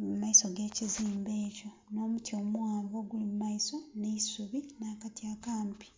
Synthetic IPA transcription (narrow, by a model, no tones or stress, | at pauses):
mumaiso̞ɡe̞ːciziːmbe̞ːco̞ | no̞ːmutio̞ːmwaːβo̞ɡulimumaiso̞neisuβinaːkatiakaːmpi̥